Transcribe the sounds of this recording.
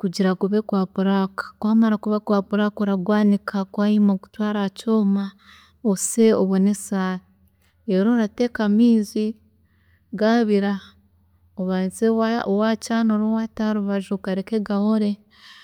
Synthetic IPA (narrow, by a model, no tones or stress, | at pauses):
kuɟiɾakuβekwaːpuɾakḁkwaːmaɾakuβakwaːpuɾakoɾaɡwaːnikʰakwaimoku̥twaːɾacoːma | ose̞oβwonesai | eɾoɾatekamiːzi | ɡaβiɾa | oβazewawacaːnoɾowataɾuβaʒukaɾekeɡahoɾe̞